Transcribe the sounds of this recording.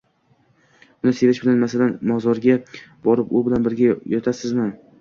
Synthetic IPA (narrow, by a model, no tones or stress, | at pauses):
ʊnɪse̞ɾɪʃbɪlanmasalanmɒzɒɾɡʲabɒɾɪpʊbɪlanbɪɾɡʲajɒt̪ʰasɪzmɪ